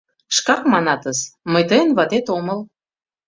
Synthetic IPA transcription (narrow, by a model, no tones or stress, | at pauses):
ʃkɑkmɑnɑt̪əzməjt̪əjənβɑt̪et̪oməl